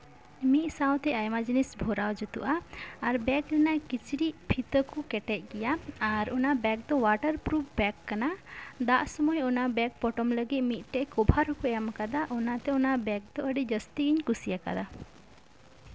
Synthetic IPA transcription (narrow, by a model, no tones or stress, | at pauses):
miʔ̪̚saw̃t̪ɛajmad͡ʒinisbʱɔɾawd͡ʒɔt̪ṵʔaːɾbɛklɛnakit͡ʃɾipʰit̪əkukɛʈɛc̚ˀɡɛjaːɾɔnabɛk̚d̪ɔwaʈəɾpɾupʰbɛkːanad̪aʔsɔmɔjɔnabɛk̚pɔʈɔmləɡit̪̚mit̪̚ʈɛʔkɔbʱaɾɔkɔɛamkad̪aʔɔnat̪ɛɔnabɛk̚d̪ɔəɖid͡ʒəst̪iɡiɲkusijaka̰d̪a